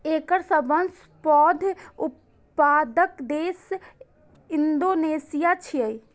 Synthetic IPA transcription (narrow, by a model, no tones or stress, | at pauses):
eːkəɾsəbəns | pɔːd̪ʱup | paːd̪əkd̪eːs | ɪnd̪oneːsijat͡ʃʰiəi